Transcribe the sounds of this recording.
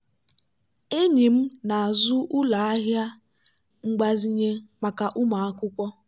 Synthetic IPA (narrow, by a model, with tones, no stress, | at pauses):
e˦ɲi˨m̩˦na˨a˨zʊ˦ʔʊ˦la˨a˦ɦja˦ | ŋ͡m̩˦ɡ͡ba˦zi˦ɲe˦ma˨ka˨ʔʊ˦ma˨a˦kʷʊ˦kʷɔ˦